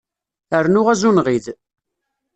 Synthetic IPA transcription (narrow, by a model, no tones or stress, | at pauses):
əɾnʊʁæzunʁið